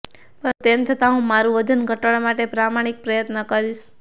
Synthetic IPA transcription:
pəɾt̪emt̪ʰət̪aɦũmaɾũʋəd̪ʱənɡʱəʈəɭmaʈepɾamaɽ̃ik̚pɾəjət̪nəkəɾiʃ

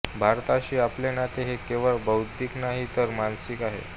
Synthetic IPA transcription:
bʱaɾt̪aɕiːaplenat̪eɦekeʋəɭbəwt̪iːknaɦit̪əɾmansikaɦḛ

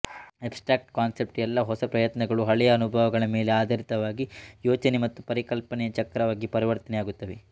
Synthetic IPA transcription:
epsʈɾaːk̚ʈkaːnsep̚ʈjɛlːɐɦɔsɐpɾɐjɐt̪nɐɡɐɭuɦɐɭɛjɐːnubʱɐʋɐɡɐɭɐme̞ːle̞aːd̪ʱɐɾit̪ɐʋaːɡijoːt͡ʃɐnemɐt̪ːupɐɾikɐlpɐnɛjɐt͡ʃɐkːɾɐʋaːɡipɐɾiʋɐɾt̪ɐnɛjaːɡut̪ːɐʋe

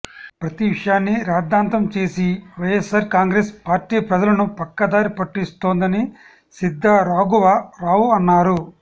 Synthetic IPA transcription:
pɾɐt̪iʋiʂɐjaːnːiɾaːd̪ːaːnt̪ɐmt͡ʃe̞ːsiʋɐjesaːɾkaːŋɡɾeːspaːɾʈiːpɾɐd͡ʒɐlɐnupɐkːɐd̪aːɾipɐʈːist̪o̞ːnd̪ɐni | sid̪ʱːɐɾaːɡuʋɐɾaːwuɐnːaːɾu

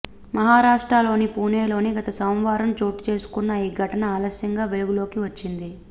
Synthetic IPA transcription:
mɐɦaːɾaːʂʈɾaːlo̞ːnipuːneːlo̞ːniɡɐt̪ɐsɐwmʋaːɾɐmt͡ʃo̞ːʈi̥t͡ʃe̞ːsu̥kunːɐiːɡʱɐʈɐnɐaːlɐsjɐŋɡaːʋe̞luɡulo̞ːkiʋɐt͡ʃːind̪i

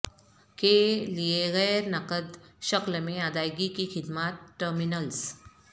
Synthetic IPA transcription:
kelieɣɛːɾnəkəd̪ʃəklmẽad̪aːjɡikixɪd̪maːt̪̚ʈəɾmɪnəls

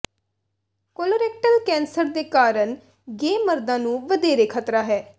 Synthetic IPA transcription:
koːloɾeːk̚ʈəlkɛ̃ːnsəɾd̪eːkaːɾəɳ | ɡeːməɾd̪ãːnũːʋəd̪eːɾeːkʰət̪ɾaːɦɛː

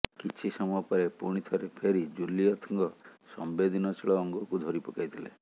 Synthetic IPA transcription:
kit͡ʃʰisɔmuɔpɔɾepuɽ̃it̪ʰɔɾepʰeɾid͡ʒuliɔt̪ʰɔŋɡɔsɔ̰mbed̪ʱinɔt͡ʃʰiɭɔːŋɡɔkud̪ʱɔɾipɔkajt̪ʰilḛ

